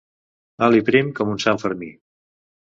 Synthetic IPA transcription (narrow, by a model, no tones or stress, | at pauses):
alipɾimkɔmunsaɱfəɾmi